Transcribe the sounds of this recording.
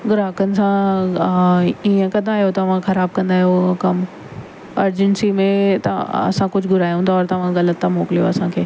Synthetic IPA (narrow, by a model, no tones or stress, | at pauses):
ɡʊɾaːkənɪ̆sã | iə̃kɐd̪ʱaːɦijot̪ɐʋ̤ãxɐɾaːb̚kɐ̃nd̪aːɦijokɐm | ɐɾd͡ʑənsimẽt̪ɐ̰ɐ̰sãkʊd͡ʑʱɡʊɾaːjɦũːnd̪aɔːɾt̪ɐʋ̤ãɣɐlət̪ːamoːkɪlijo̰ɐsãkʰeː